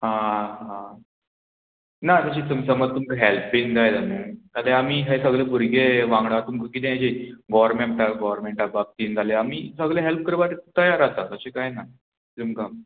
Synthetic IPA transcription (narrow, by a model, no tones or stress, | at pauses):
ɦãɦã | nat̪əɕit̪umsəməd͡zt̪umkaɦelpind͡z̪ajt̪anit̪aleamiːɦesəɡɭebuɾɡeʋãŋɡɽat̪umkakit̪ẽjad͡ʑeɡɔʋəɾmeɳʈaɡɔʋəɾmeɳʈabab̚t̪iːnd͡z̪ʱaleamiːsəɡɭeɦelp̚kəɾʋat̪et̪əjaɾat̪aəɕekajna | t̪umka